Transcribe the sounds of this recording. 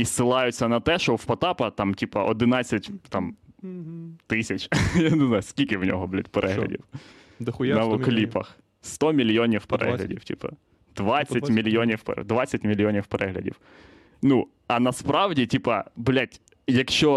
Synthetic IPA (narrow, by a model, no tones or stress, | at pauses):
isɪlˠɑjʊt͡sʲːɐnɐt̪ɛʃɔwpɐt̪ɑpɐt̪ɑmtʲipɐʔɔd̪ɪnɑt͡sʲːɐtʲt̪ɑm | t̪ɪsʲɐt͡ʃʲjaneznɑjʊskʲilʲkɪwnʲɔ̰ɦɔblʲat̚ʲpeɾʔɛɦlʲɐ̰dʲḭw | nɐɔklʲipɐ̰x | st̪ɔmʲilʲjɔnʲiwpeɾʔɛ̰ɦlʲɐ̰dʲiwtʲḭpɐ̰ | d̪̥ʋɑt͡sʲːɐtʲmʲilʲjɔnʲiwpd̪ʋɑt͡sʲːɐtʲmʲilʲjɔnʲiwpɛɾʔɛɦlʲɐ̰dʲḭw | nu | ɐnɐspɾɑwdʲitʲipɐblʲatʲ | jɐkʃt͡ʃɔ